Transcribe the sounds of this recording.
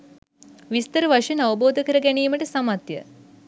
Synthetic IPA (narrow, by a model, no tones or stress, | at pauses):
ʋist̪əɾəʋaʂjənaʋɐboːd̪ʱəkəɾəɡænijːməʈəsamat̪jə̰